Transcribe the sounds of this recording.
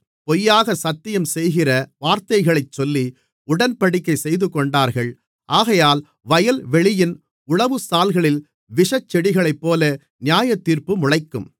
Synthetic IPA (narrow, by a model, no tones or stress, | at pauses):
pɔjːaːɣɐsɐt̪ːɪjɐmsɛjɣɪrɐʋaːɾt̪ɐɪɣɐɭɐɪt͡ʃsɔlːi | ʊɽɐnpɐɽɪkːɐɪsɛjðɯkɔɳɖaːɾɣɐɭ | ʔaːɣɐjaːl | ʋɐjɐlʋɛɭɪjɪn | ʊɭɐʋɯsaːlɣɐɭɪl | ʋɪʂɐt͡ʃːɛɽɪɣɐɭɐɪpːoːlɐ | nɪjaːjɐt̪ːiːɾpɯmʊɻɐɪkːɯ̰m